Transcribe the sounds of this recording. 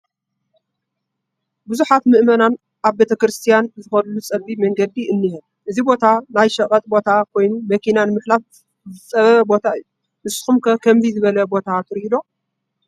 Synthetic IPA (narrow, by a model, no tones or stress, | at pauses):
buzuħat̪mɨʔmɐnan | ʔaβbet̪ʰɐkɾɨst̪ʰijanzɨxɐllut͡sʼɐlbimɐŋɡɐd̪iʔɨnːihɨn | ʔɨzibo̞t̪ʰanajʃɐkʼɐt̪ʼbo̞t̪ʰakʰo̞jnumɐkʰinanɨmɨħlaf | zɨt͡sʼɐβɐβɐbo̞t̪ʰaɨjːu | mɨsxumkʰɐkʰɐmzizɨβɐlɐbo̞t̪ʰat̪ʰɨɾhid̪o̞